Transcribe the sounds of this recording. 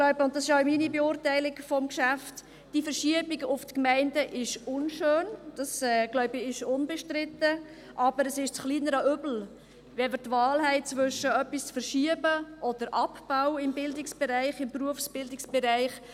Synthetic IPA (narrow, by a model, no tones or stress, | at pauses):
ɡlɔɥbəʊnt̚d̥ɑsɪʃaʊminibeʊːrtæɪlɪɡfɔmkʃæft | d̥ifəɾʃiəbiɡʊftkmæɪndəʔɪʃʊnʃøːnd̥ɑsɛːɡ̥lɔʊbəɪʃʊnbɛʃtɾɪtːə | ʔɑb̥əɾəsɪʃt͡sχliːnəɾəʏbl̩ | ʋɛmətʋɑːlɦɛɪt͡sʋʏʃəœpːist͡sfəɾʃiəbəʔɔd̥əɾʔɑpb̥aʊɪmbɪldɪksb̥ɛɾæɪχɪmpruəfsb̥ɪldɪksb̥ɛɾæɪχ